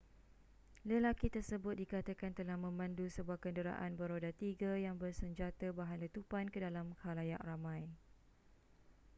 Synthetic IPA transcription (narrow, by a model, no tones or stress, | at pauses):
ləlakit̪ərsəbʊt̪̚dikat̪akant̪əlahmə̃mãndusəbuahkəndəɾa̰ʔanbəɾodat̪iɡajaŋbərsəɲd͡ʒat̪əbaɦanlət̪upankədalamkalajaʔramãj